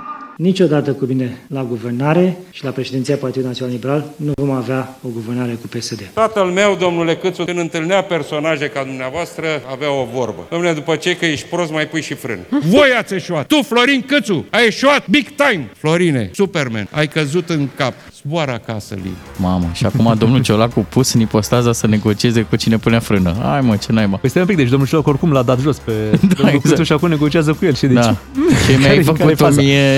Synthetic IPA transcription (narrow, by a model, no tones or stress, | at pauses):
nit͡ʃo̞d̪at̪əkumine̞laɡuvernaɾe̞ʃilapɾe̞ʃed̪ent̪sijapart̪id̪unat̪sʲionalibeɾalnuvo̞maveao̞ɡuvernaɾe̞kupe̞sed̪e̞t̪at̪əlme̞wd̪o̞mnule̞kɨt̪sukɨnd̪ɨnt̪ɨlneape̞rso̞naʒekad̪umneavoast̪ɾəaveao̞vo̞rbə̰d̪amneed̪upət͡ʃe̞kəjeʃpɾo̞smajpujʃifɾɨ̰nvo̞jat̪sʲe̞ʃuat̪t̪uflo̞ɾinkɨt̪suajeʃuat̪̚biɡt̪ajmflo̞ɾinḛsupermḛna̰jkəzut̪ɨŋkap̚ | z̥boaɾakasə̰lṵjmaməʃiakumad̪o̞mnult͡ʃo̞lakupusɨnipo̞st̪azasəne̞ɡo̞t͡ʃie̞ze̞kut͡ʃine̞puneafɾɨnəa̰jmət͡ʃenajmaest̪emũpik̚d̪et͡ʃd̪omnult͡ʃolakorkumlad̪at̪ʒo̞sped̪aezuʃiakumne̞ɡo̞t͡ʃiazəkujelʃid̪ed̪at͡ʃemjaajfəkut̪omime